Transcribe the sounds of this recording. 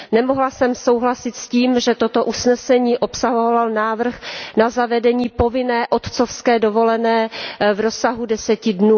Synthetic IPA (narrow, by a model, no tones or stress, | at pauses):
nɛmoɦlasɛmsowɦlasɪt̪sciːmʒɛt̪ot̪o̞ʔusnɛsɛɲiːʔo̞psaɦovalnaːvr̩xnazavɛdɛɲiːpo̞vɪnɛːʔo̞t̪t͡sofskɛːdovo̞lɛnɛːvɾosaɦudɛsɛcɪdnuː